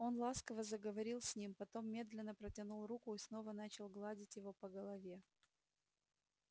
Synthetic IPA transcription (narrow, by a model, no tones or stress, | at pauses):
o̞nlˠaskəvəzəɡəvɐɾʲilˠsʲnʲimpɐt̪o̞mːʲe̞d̪lʲɪnːəpɾətʲɪnulˠrukʊisno̞vənat͡ɕɪlˠɡlˠadʲɪtʲjɪvo̞pəɡəlˠɐvʲe̞